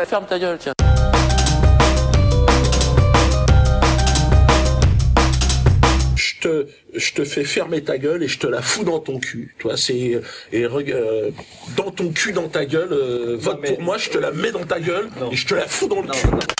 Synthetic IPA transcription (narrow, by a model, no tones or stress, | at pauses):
fɛmt̪aɡl | ʒ̥ət̪ə | ʒ̥ət̪əfɛfɛʁmet̪aɡʲœleʒət̪əlafud̪ɑ̃t̪ɔ̃kʲʰyt̪ɥwasɛeʁəɡø | d̪ɑ̃t̪ɔ̃kʲʰyd̪ɑ̃t̪aɡʲœløvɔt̪̚puʁmwaʒət̪əlamɛd̪ɑ̃t̪aɡʲœleʒət̪əlafud̪ɑ̃ləkʰʲy